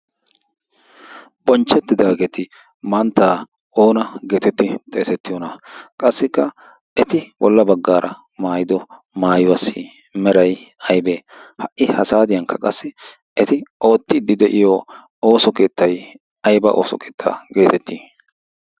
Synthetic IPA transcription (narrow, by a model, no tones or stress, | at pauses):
bɔnt͡ʃːɛt̪ːɪd̪aːɡɛt̪ɪ | mɐnt̪ːaː | ʔo̞ːnɐɡe̞ːt̪ɛt̪ːɪt̪ʼɛːsɛt̪ːɪjɔnɐkʼɐsːɪkːɐ | ɛt̪ɪbɔ̰lːɐbɐɡːaːɾʔɐ̰ | maːjɪd̪ɔ | maːjʊwasiː | mɛɾɐjɐjbe̞ːhɐʔɪhɐsaːd̪ɪjɐŋkːɐkʼɐsːɪ | ɛt̪ɪo̞ːt̪ːɪd̪ːɪd̪ɛʔɪjo | o̞ːsɔke̞ːt̪ːɐj | ɐjbɐ̰ʔoːsɔ̰kʰeːt̪ʰːa̰ːɡe̞ːt̪ɛt̪ːiː